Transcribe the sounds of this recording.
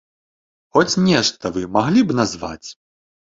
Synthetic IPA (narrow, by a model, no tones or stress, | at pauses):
xɔt͡sʲnʲɛʂt̪ɐvɨmaɣlʲibnazva̰t͡sʲ